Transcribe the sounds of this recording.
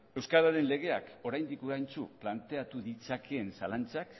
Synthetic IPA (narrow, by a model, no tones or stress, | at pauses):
e̞wskaðaɾe̞nle̞ɣ̞e̞a̰ko̞ɾajnd̪ikuɾajnt͡suplant̪e̞at̪uðit͡sakʰeːnsalant͡sak